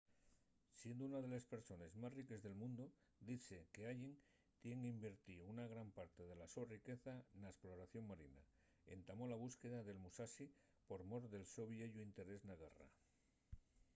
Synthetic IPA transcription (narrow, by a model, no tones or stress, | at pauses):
sje̞nd̪ounaðe̞lespe̞ɾso̞ne̞zmasrike̞zðe̞lmũnd̪o | d̪iθe̞ke̞ajen | t̪je̞ŋimbeɾt̪iunaɣ̞ɾampaɾt̪e̞ð̞e̞laso̞rike̞θanaesplo̞ɾaθjo̞ŋmaɾina̰ | e̞̰nt̪amo̞laβ̞uske̞ðaðe̞lmusasi | po̞ɾmo̞ɾðe̞lso̞βieʝuint̪e̞ɾe̞znaɣara̰